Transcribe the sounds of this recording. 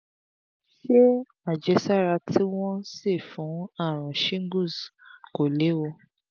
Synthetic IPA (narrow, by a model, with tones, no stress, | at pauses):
ʃe˦ | a˨d͡ʒɛ˧˦sa˦ɾa˧tʰi˦w̃ɔ̃˦si˦˨fũ˨˦a˦˨ɾ̃ɔ̃˨ʃĩ˦ŋ˦ɡu˦˨sko˨le˨˦wo˧